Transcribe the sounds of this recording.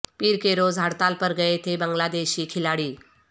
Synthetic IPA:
piːɾkeɾod͡zʱaɽt̪alpəɾɡəet̪ʰebəŋɡlad̪eɕiːkʰilaɽiː

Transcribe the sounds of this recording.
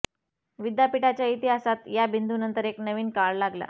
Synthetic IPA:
ʋid̪japiʈat͡ɕjait̪iɦasat̪jabind̪unənt̪əɾeknəʋiːnkaɭlaɡla̰

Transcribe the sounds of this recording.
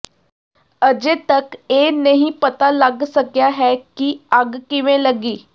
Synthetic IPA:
əd͡ʒet̪əkeːnəɦĩpət̪aləɡsəkjaɦɛːkiəɡkɪʋẽləɡiː

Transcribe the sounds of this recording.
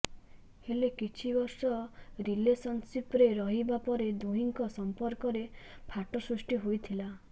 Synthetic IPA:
helekit͡ʃʰibɔɾsɔɾilesɔnsipɾeɾɔɦibapɔɾed̪uɦiŋkɔsɔmpɔɾkɔɾepʰaʈɔsɾusʈiɦojt̪ʰila

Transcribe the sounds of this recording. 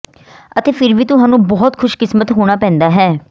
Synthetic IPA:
ət̪eːpʰɪɾʋiːt̪ʊɦaːnũːbɔːt̪kʰʊʃkɪsmət̪ɦoːɽ̃aːpɛ̃ːnd̪aːɦɛː

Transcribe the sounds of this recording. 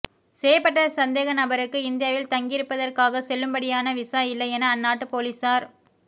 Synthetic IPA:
seːjɐpːɐʈːɐsɐnd̪eːɣɐnɐbɐɾɯkːɯɪnd̪ɪjaːʋɪlt̪ɐŋɡɪɾɯpːɐðɐrkaːɣɐsɛlːɯmbɐɽɪjaːnɐʋɪsaːjɪlːɐɪɛnɐːnːaːʈːɯpoːlisaːɾ

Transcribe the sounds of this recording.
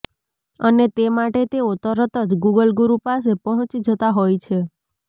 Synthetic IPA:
ənet̪emaʈet̪eot̪əɾət̪əd͡ʒɡuɡəlɡuɾupasepɔɦɔ̃t͡ʃid͡ʒət̪aɦojt͡ʃʰe

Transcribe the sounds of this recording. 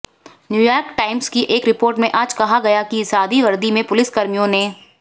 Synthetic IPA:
njuːjaːɾkʈaːɪmzkiʔeːkɾɪpoːɾʈmẽʔaːd͡ʒkɐɦaɡɐjakiɪsaːd̪iʋɐɾd̪imẽpʊlɪskɐɾmijõneː

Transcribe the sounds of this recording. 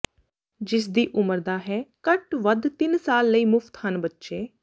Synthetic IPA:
d͡ʒɪs̬d̪iːʔʊməɾd̪aːɦɛːkəʈʋəd̪t̪ɪnsaːlːəiːmʊfʰt̪hənbətːʃeː

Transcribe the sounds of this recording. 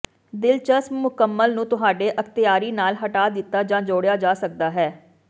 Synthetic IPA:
d̪ɪlt͡ʃəsmʊkəmːəlnũːt̪ʊɦaːɖeːʔəkt̪ɪjaːɾiːnaːlɦəʈaːd̪ɪt̪ːaːd͡ʒãːd͡ʒoːɽejaːd͡ʒaːsək̚d̪aːɦɛː

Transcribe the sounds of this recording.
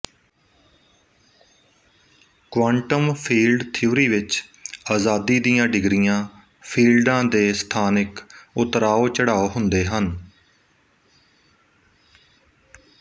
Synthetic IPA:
kʋaːɳʈəmpʰiːlɖt̪ʰiuːɾiːʋɪt͡ʃaːzaːd̪iːd̪ijãːɖɪɡɾɪjãː | pʰiːlɖãːd̪eːst̪ʰaːnɪkʊt̪ɾaːoːt͡ʃəɽaːoːɦʊnd̪eːɦən

